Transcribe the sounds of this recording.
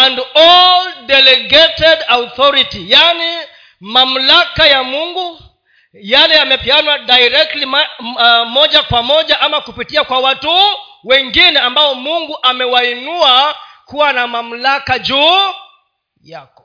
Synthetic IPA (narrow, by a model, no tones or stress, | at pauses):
andɔldɛlɛɡɛtɛdauθɔɾitijani | mam̩lakajamuŋɡu | jalɛamɛpianwadajɾɛk̚tli | mɔʄakwamɔʄaʔamakupitiakwawatu | wɛŋɡinɛambaɔmuŋɡuʔamɛwainuakuwanamam̩lakad͡ʒuː | jakɔ̥